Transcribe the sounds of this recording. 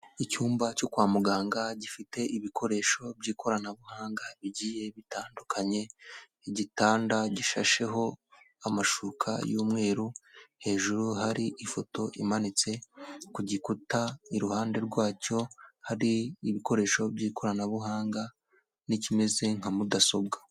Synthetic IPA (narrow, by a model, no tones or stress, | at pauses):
icuːmbacokwaːmuɡaːŋɡaɟifite̞iβikʰo̞ɾe̞ʃo̞bɟiːkʰo̞ɾanaβuhaːŋɡaβiɟiːje̞βitaːndukʰaɲe̞ | ɟitaːndaɟiʃa̰ʃe̞ɦo̞ | amaʃukʰa̰juːmŋe̞ːɾuhe̞ːʒuɾuhaɾiʔifo̞to̞ʔḭmanit͡se̞kuɟikutaiɾuhaːnde̞ɾɡwaːco̞haɾiːβiko̞ɾe̞ːʃo̞bɟiːko̞ɾanaβuɦaːŋɡa | nicime̞ze̞ŋ̥amudaso̞b̚ɡa